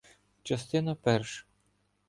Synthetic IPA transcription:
t͡ʃɐst̪ɪnɐpɛɾʃ

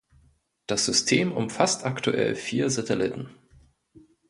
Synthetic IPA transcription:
d̥asz̥ʏstʰeːmʊmfastʔaktuʔɛ̰lfiːɐzatʰɛlɪtn̩

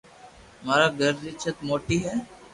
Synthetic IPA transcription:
maːɾaɡəɾd͡ʒɪt͡ʃʰət̪moːʈiɦɛː

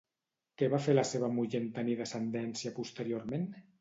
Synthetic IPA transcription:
kɛβafelaseβ̞əmuʎent̪aniðəsend̪ɛnsjapust̪əɾioɾmen

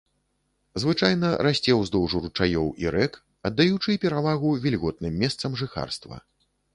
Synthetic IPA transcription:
zvɨt͡ʂajnɐɾasʲt͡sʲɛwzd̪ɔwʐuɾut͡ʂajɔwʔiɾɛk | ɐd̪ːajut͡ʂɨpʲɛɾavaɣuvʲilʲɣɔt̪̚nɨmʲːɛst̪sɐmʐɨxa̰rst̪vɐ̰

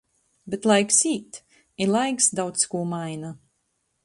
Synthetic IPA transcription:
bet̪lˠajksiːt̪ | ilˠajksd̪awt̪skuɔmajna

